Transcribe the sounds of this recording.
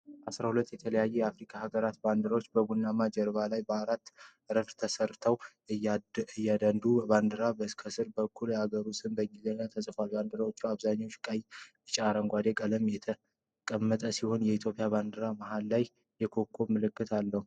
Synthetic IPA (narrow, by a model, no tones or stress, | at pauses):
ʔasɾahulət̪ːjɛt̪ʰələjajːɛjɛafɾikʰahaɡəɾat̪band̪ɨɾawot͡ʃːbəɡunːamad͡ʒɛɾβalajbəaɾat̪ː | ɾəɾɡt̪ʰəsəɾt̪ʰəw | ɨjːad̪ənd̪uband̪ɨɾabəɨskʰəsɨɾbəkːuljɛhaɡəɾusɨnbəŋɡizəɲːat̪ʰəsʼɨfalband̪ɨɾawot͡ʃːuaβzaɲːawʃkʼaj | t͡ʃʼaɾəŋɡʷad̪e̞kʼələmjɛt̪ʰə | kʼəmːət̪ʼəsiho̞njɛit̪ʰjopʼijaβand̪ɨɾamaɦalːaj | jɛkʰo̞kʰːo̞mɨlɨkːɨt̪ʰalːəhu